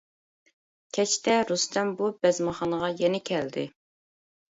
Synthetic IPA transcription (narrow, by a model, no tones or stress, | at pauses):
kʲʰɛt͡ʃt̪ɛɾust̪ɛmbubɛzmɑχɑnəʁɑjɛnɛkʲʰɛld̪ɪ̰